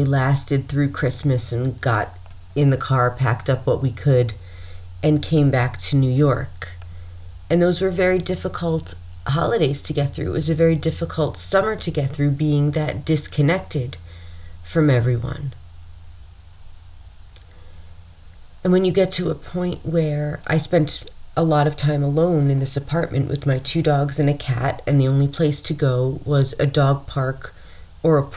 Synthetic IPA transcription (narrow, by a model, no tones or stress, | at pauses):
ilæstɨd̪̚θɹʉkʰɹ̥ɪsmɨsɨ̃nɡɑ̰ɾ | ɨ̃nðɨkʰɑɹpʰæ̰k̚tʌpwʌʔwikʰɨɾ | ɨ̃nkʰẽɪ̃mbæk̚tʰɨnʉjɔ̰ɹk | ɨ̃nðoʊzwə˞vɛɹidɪfəkʰl̩ˠt | ɦɑ̰lˠəɾeɪz̥tʰɨɡɛt̪̚θɹʉ̰ɨʔwʌzɨvɛɹidɪfəkʰl̩ˠtsʌmə˞ɾɨɡɛt̪̚θɹʉbiɪ̃ŋðɨt̚d̥ɪskʰɨnɛk̚tɪd̥fɹʌ̃mɛvɹiwʌ̰̃n | ɨ̃nwɨ̃njɨɡɛtʰɨəpʰɔ̃ɪ̃nʔwə˞ʔa̰ɪspɛ̃ntʔəlɔɾʌv̥tʰãɪ̃məlõʊ̃nɨ̃nðɪsɨpʰɑɹʔ̚mɨ̰̃nʔwɨ̰ðmaɪtʰʉdɔɡzɨ̃nɨkʰæ̰ɾɨ̃nðiõʊ̃nlipʰl̥eɪstʰɨɡoʊwʌzɨ̰dɔɡ̚pʰɑɹk | ə˞ə